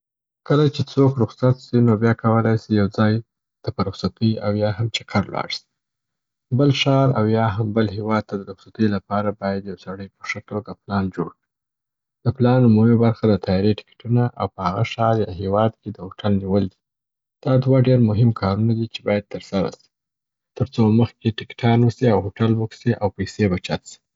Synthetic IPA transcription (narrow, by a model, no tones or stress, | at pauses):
kəlat͡ʃet͡sokɾʊxsat̪sinobjɑkʰawəlajsijawd͡zɑj | d̪̥əpəɾʊxsat̪əawjɑɦamt͡ʃakʰaɾlwɑ̰ɽsi̥ | bəlʃɑɾa̰wjɑɦambəlɦewɑd̪̚t̪ʰad̪əɾʊxsat̪əlapɑɾabɑjad̪jawsaɽəjpəʂəʈoɡaplɑnd͡ʒoɽkɽi | d̪̥əplɑnːumawibaɾxad̪ət̪ʰɑjɑɾeʈɪ̥kʈunaʔa̰wpəhaɣaʃɑɾjɑɦewɑd̪ked̪əhoʈʰalʒiwəld̪i | d̪̥ɑd̪waɖeɾmʊɦɪmkʰɑɾunad̪it͡ʃebɑjad̪̚t̪əɾsaɾa̰si̥ | t̪əɾt͡soməxkeʈɪkʈʰɑnwəsiawɦoʈalwuksiʔawpajsebat͡ʃat̪si̥